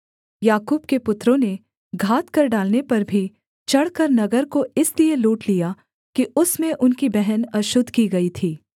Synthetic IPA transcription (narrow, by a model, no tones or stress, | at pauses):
jaːkuːb̚kepʊt̪ɾõne | ɡʱaːt̪kɐɾɖaːlnepɐɾbʱi | t͡ʃɐɽ̤kɐɾnɐɡəɾkoɪslieloːʈlija | kiʊsmẽʔʊnkibɛɦɛnɐʃʊd̪ʱkiɡɐit̪ʰiː